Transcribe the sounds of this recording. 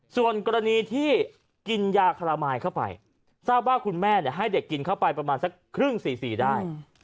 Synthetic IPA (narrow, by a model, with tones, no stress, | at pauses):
su˨˩ənkɔː˧ɾa˧niː˧t̪ʰiː˥˩ | ki˧njaː˧kʰa˧laː˧maː˧jkʰa˥˩wpa̰˧j | saː˥˩p̚waː˥˩kʰu˧nmɛː˥˩ni˥˩ɐɦa˥˩jde˨˩kːi˧nkʰa˥˩wpa˧jpɾa˧maː˧nsa˧˦˥kʰɾɯ˥˩ŋsiː˨˩siː˨˩daː˥˩j